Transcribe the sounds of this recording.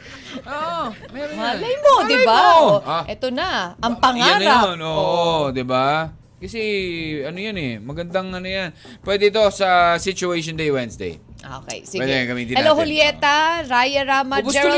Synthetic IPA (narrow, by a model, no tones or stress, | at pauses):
oʔo | mɛɾmalɐjmod̪ɪbaʔɛt̪onɐʔɐŋpɐŋajanɾaonoʔod̪ɪba | kɐsɛʔɐnojanɛmɐɡɐnd̪aŋɐnojan | pwɛd̪ɛɪt̪osɐsɪt͡ʃʊejʃond̪ejwɛnsd̪ḛjʔo̰kɛ̰jsiɛɡd̪ɛkɐmɪt̪ɪɛlloɦʊljɛt̪ɐɾajɐɾaːmɐbd͡ʒɛ